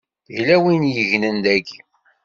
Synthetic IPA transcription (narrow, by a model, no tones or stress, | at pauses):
ʝlæwinjəʝnənd̪æɡi